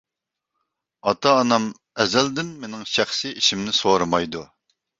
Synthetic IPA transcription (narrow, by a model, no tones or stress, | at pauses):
ɑt̪ʰɑːnɑm | ɛzæld̪ɪnmenɪŋʃæχsɪiʃimnɪsoɾɨmɑjd̪u